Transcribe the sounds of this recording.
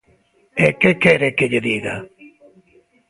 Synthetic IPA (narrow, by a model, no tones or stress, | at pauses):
ekekʰeɾeked͡ʒed̪iɡa̰